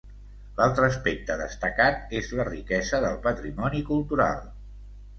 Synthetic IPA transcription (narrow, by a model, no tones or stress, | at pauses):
lalˠt̪ɾəːspek̚t̪əðəst̪əkat̪̚ezlərikɛzəðəlˠpət̪ɾimɔnikulˠt̪uɾa̰lˠ